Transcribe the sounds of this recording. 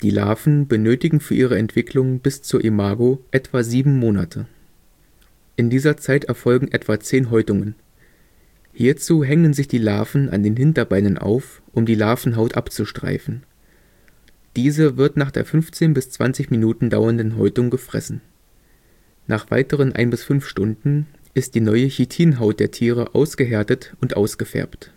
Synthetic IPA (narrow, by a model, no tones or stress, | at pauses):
d̥iːla̰ːfn̩bənøːtɪɡŋ̩fyːɐʔiːʁ̞əɛntv̥ɪkʰlʊŋbɪst͡suːɐʔimaːɡoʔɛtv̥aziːbm̩moːna̰tʰə | ʔɪndiːzɐt͡saɪtɛɐfɔlɡŋ̩ʔɛtv̥at͡seːnɦɔʏtʊŋən | hiːɐt͡suːɦɛŋənzɪçd̥iːla̰ːfn̩ʔa̰ndeːnɦɪntɐbaɪnənʔa̰ʊf | ʔʊmdiːlaːfn̩ɦaʊtʔa̰pt͡suʃtʁ̥a̰ɪfn̩ | d̥iːzəvɪɐtnaːχd̥ḛːɐfʏnft͡seːnbɪst͡sv̥a̰nt͡sɪçminuːtn̩da̰ʊɐndn̩ɦɔʏtʊŋɡəfʁ̥ɛ̰sn̩ | naːχv̥a̰ɪtəʁ̞ənʔa̰ɪnbɪsfʏnfʃtʊndn̩ | ʔɪst̚d̥iːnɔʏəçitʰiːnɦaʊt̚d̥eːɐtʰiːʁ̞əʔa̰ʊsɡ̥əɦeːɐtətʊntʔa̰ʊsɡ̥əfɛ̰ɐpt